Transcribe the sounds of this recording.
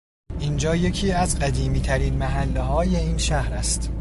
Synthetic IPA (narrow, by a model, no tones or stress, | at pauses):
ʔiːnd͡ʒɒːje̞cʰiːæzɢæd̪iːmiːt̪ʰæɾiːnmæɦælːeɦɒːje̞iːnʃæhɾæst̪